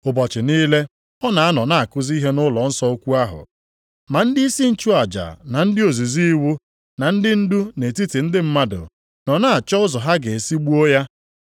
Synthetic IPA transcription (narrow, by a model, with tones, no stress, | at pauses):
ʊ˨bɔ˨t͡ʃɪ˨niː˦le˦ | ɔ˦na˨a˦nɔ˨na˦˨a˨kʊ˦zi˦ɦe˦nʊ˦lɔ˨n̩˦sɔ˦o˦kʷu˦a˦ɦʊ̰˨ | ma˨n̩˦di˦i˦si˦n̩˦t͡ʃu˦a˨d͡ʒa̰˨na˨n̩˦dɪ˦o˨zu˨zi˦i˦wu˦ | na˨n̩˦dɪ˦n̩˦du˦ne˨ti˦ti˨n̩˦dɪ˦m̩˦ma˦dʊ̰˨ | nɔ˨na˦a˨t͡ʃɔ˦ʊ˦zɔ˨ɦa˦ɡe˨e˨si˦ɡ͡bu˦o˦ja˦